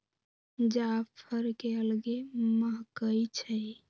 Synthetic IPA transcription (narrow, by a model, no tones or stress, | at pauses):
d͡ʒapʰəɾkeəlɡeməɦkəjt͡ʃʰəj